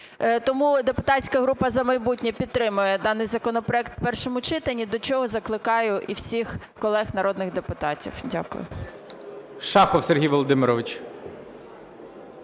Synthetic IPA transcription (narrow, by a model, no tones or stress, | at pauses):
t̪ɔmud̪epʊt̪ɑsʲkɐɦɾupɐzɐmɐjbutʲnʲɛpʲid̪̚t̪ɾɪmʊjɛd̪ɑnɪjzɐkɔnɔpɾɔɛkt̪wpɛrʃɔmʊt͡ʃɪt̪ɐnʲːid̪ɔt͡ʃɔɦɔzɐklˠɪkɑjʊʔiwsʲix | kɔlˠɛxnɐɾɔd̪nɪɣd̪epʊt̪ɑtʲḭwdʲa̰kʊ̰jʊ̰ | ʃɑxɔwsʲerɦʲijʋɔlˠɔd̪ɪmɪɾɔʋɪt͡ʃ